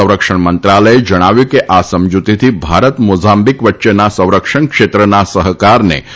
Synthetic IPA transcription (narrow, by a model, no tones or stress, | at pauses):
ə̃w̃ɾəkʂəɳ̃mənt̪ɾaləjed͡ʒəɽ̃aʋjukeʔasəmd͡ʒut̪it̪ʰibʱaɾət̪mod͡ʒambikʋətːʃenasə̃w̃ɾəkʂəɳ̃kʂet̪ɾənasəɦəkaɾnḛ